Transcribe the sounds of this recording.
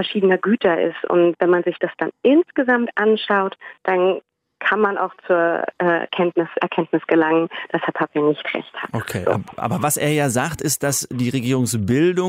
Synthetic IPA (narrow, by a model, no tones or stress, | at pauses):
fɛɐʃiːdənɐɡyːtʰɐʔɪ̰stʔʊ̰ntvɛnmanzɪçd̥asd̥anʔɪnsɡ̥əzamtʔanʃaʊtd̥an | kʰanmana̰ʊxt͡suːɐʔɛ̰kʰɛntnɪsʔɛ̰ɐkʰɛntnɪsɡ̥əlaŋənd̥ashɛɐpʰapjanɪçtʁɛ̰çtha̰ːʔokʰeːb̰ʔa̰ːbɐvasʔeːɐjaːzaːktɪst̚d̥asd̥iːʁeɡiːʁʊŋsbɪldʊ